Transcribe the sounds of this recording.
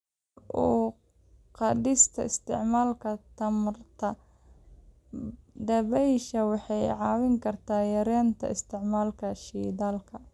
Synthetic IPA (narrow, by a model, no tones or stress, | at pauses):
ʔɔː | qɑdɪst̪ʰɐ̰ɪst̪ʰɪ̰ʕmaːlkʰɐt̪ʰɐmrt̪ʰɐ | ɖɐβɛjʃɐwɑħɑjʕɑːwɪŋkʰɐrt̪ʰaːjɐɾɛːnt̪ʰɐ̰ɪst̪ʰɪʕmaːlkʰɐʃiːdaːlkʰɐ